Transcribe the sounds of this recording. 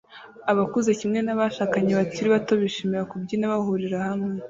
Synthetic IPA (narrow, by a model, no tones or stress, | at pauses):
aβakuzecimŋe̞naβaʃaːkaɲeβaciɾiβato̞βiʃimiɾakubɟinaβaɦuɾiɾahamŋe̞